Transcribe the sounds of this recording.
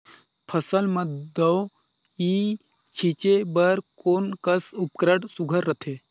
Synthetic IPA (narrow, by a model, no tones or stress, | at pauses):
pʰɐsəlmə̃d̪ɐw | i | t͡ʃʰit͡ʃebəɾkoːnkəsupkɾəʈsuɡʱəɾːət̪ʰe